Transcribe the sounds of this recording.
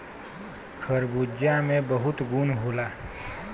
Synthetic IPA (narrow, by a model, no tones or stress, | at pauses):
kʰəɾbud͡ʒjãmẽbəɦʊt̪ɡunɦoːlaː